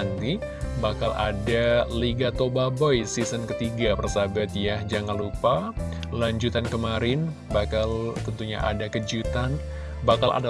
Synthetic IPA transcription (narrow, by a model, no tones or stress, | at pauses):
nd̪i | bakala̰daliɡat̪obabɔjsisənkət̪iɡapərsabat̪jahd͡ʒaŋanlupa | laɲd͡ʒut̪ankəmaɾɪn | bakalt̪ənt̪uɲa̰ʔa̰dakəd͡ʒut̪an | bakalʔa̰da